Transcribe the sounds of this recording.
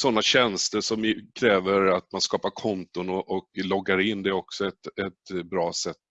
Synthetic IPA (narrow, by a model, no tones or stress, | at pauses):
sɔnːaɕɛnst̪əʂɔmkʰɾɛːvəɾat̪manskɑːpaɾkʰɔnt̪ʊnɔʔɔklɔɡːaɾɪnːd̪ɛɔksɔɛt̪ɛt̪bɾɑːsɛt̪ː